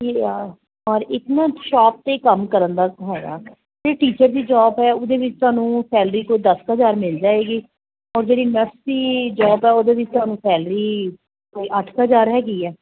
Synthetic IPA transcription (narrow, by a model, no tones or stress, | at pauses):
e | ɔːɾɪk̪nãːʃaːp̚t̪eːkəmkəɾənd̪aːɦɛːɡa̰ː | d͡ʒeeːʈiːt͡ʃəɾd̪iːd͡ʒɔːbɦɛːʊd̪eːʋɪt͡ʃt̪ʊaːnũːsɛːlɾiːkoːd̪əsɦəzaːɾmɪld͡ʒaːeːɡiː | ɔːɾd͡ʒeːɽiːnəʈsd̪iːd͡ʒɔːbɦɛːʊd̪eːʋɪt͡ʃt̪ʊaːnũːsɛːlɾiː | koːiːʔəʈʰəzaːɾɦɛːɡiːɛː